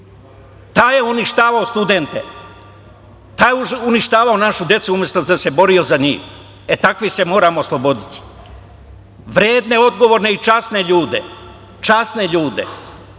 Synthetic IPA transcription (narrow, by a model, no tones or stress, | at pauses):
t̪aːje̞uniʃt̪aːʋaost̪ud̪ent̪e | t̪aːjeuniʃt̪aːʋao̞naʃud̪je̞t̪suumje̞st̪ozase̞bo̞ɾio̞zaɲḭːx | et̪akʋise̞mo̞ːɾaːmoːslˠobo̞d̪it̪i̥ | ʋɾeːd̪ne̞o̞d̪ɡo̞ʋo̞ːɾneit͡ʃasne̞ʎuːd̪ḛ | t͡ʃasne̞ʎuːd̪e̞̰